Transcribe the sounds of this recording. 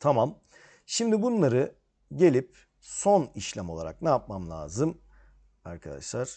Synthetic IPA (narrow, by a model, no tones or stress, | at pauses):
t̪ʰamam | ʃimd̪ibunlˠaɾɯ | ɟe̞lʲip̚ | so̞niʃlʲæmo̞lˠa̰ɾa̰k̚naːp̚mamlʲˠa̰ːzɯm | a̰ɾkʰad̪a̰ʃlˠaɾ̥